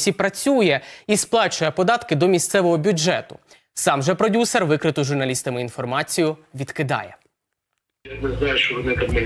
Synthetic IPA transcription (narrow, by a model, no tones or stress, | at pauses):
sʲipɾɐt͡sʲujɛisplˠɑt͡ʃʊjɛpɔd̪ɑt̪kɪd̪ɔmʲist̪sɛʋɔɦɔbʲud͡ʒɛt̪ʊ̰ | sɑmʒɛpɾɔdʲusɛrʋɪkɾɪt̪ʊʒʊrnɐlʲist̪ɐmɪinfɔrmɑt͡sʲijʊʋʲid̪kɪd̪ɑ̰jɛ̰ | anɛznɑjʊʃt͡ʃɔʋɔnɪt̪ɐmnɛ